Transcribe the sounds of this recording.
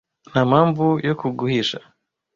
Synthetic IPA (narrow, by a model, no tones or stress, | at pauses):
namaːmvujokuɡuhiːʃa